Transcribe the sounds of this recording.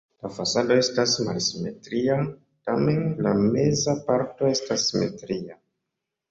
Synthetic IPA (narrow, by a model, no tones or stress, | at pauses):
lafasado̞e̞stasmalsime̞tɾia | tame̞nlame̞zapaɾto̞e̞stasːime̞̰tɾia